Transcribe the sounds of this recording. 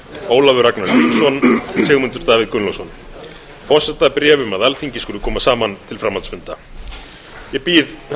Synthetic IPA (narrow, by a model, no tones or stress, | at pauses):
oːwlavʏɾaknaɾit̪sɔnsʰɛɣmʏnt̪ʏɾt̪aːvɪðkʏnlɔsɔn | fɔr̥sɛt̪apɾɛːvʏmaðalθiɲcɪskʏːɾʏkʰɔːmasaːmant̪ʰɪlfɾamaltsfʏnt̪a | jɛpiːð